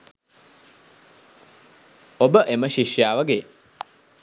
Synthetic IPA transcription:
obəʔeməʃiʃjaːʋəɡeː

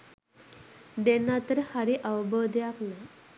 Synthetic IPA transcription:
d̪enat̪əɾhaɾiʔawbəd̪ʱjapna

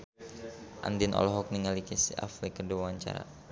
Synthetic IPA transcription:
ʔa̰ndinʔɔ̰lɔɦɔk̚niŋalikisḭʔa̰flikəduawaɲt͡ʃa̰ɾa̰

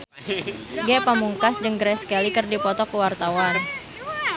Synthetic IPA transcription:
ɡɛpamuŋkasd͡ʒəŋɡɾɛskɛlikɨrdipɔt̪ɔkuwart̪awan

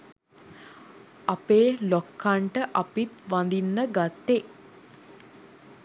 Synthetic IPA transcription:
apeːlokʰːaɳʈəʔapit̪ʋand̪inːəɡat̪ːe

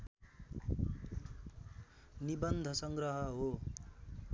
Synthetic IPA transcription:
nibʌnd̪ʱʌsʌŋɡrʌɦʌɦo

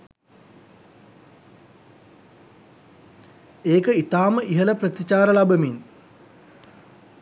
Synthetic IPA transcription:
eːkəit̪aːməʔiɦələprət̪it͡ʃaːɾəlabəmin

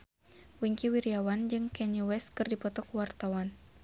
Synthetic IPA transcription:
wiŋkiwiɾiawand͡ʒɨŋkɛɲiwɛskɨrdipɔt̪ɔkuwart̪awan

